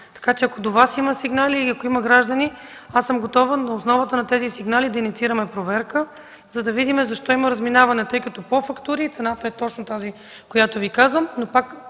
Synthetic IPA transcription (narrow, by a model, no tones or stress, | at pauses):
t̪ɐ̥kat͡ʃɛɐkod̪ovasiməsiɡnaliːɐkoiməɡɾaʒd̪əni | asːəmɡot̪ɔvənnɐosnɔvət̪ənɐt̪ɛzisiɡnalid̪ɐinit̪siɾəmɛpɾovɛɾkə | zɐd̪ɐvid̪imɛzɐʃt̪ɔiməɾɐzminavɐnɛt̪ɤjkɐt̪ɔpofɐkt̪uɾiːt̪sɛnat̪əɛt̪ɔt͡ʃnot̪azi | kojat̪ovikazvəmnopak